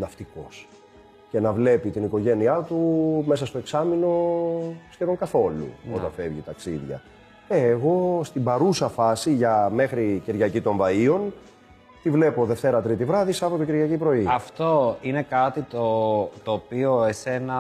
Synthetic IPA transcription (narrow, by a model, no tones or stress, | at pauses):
nɐft̪iko̞s | ce̞nɐvle̞pit̪iniko̞ʝe̞niɐt̪ume̞sɐst̪oe̞ksɐmino̞ | scevo̞ŋkɐθo̞lṵo̞t̪ɐ̰ɱfe̞vʝit̪ɐksḭðʝɐ̰ | eːɣo̞st̪ibɐɾusɐfɐsiʝɐme̞xɾiceɾʝɐcit̪o̞ɱvɐio̞n | t̪ivle̞po̞ðe̞ft̪e̞ɾɐt̪ɾit̪ivɾɐðisɐpo̞t̪o̞ciɾʝɐcipɾo̞iɐft̪o̞inekɐt̪it̪ot̪oːpio̞ese̞nɐ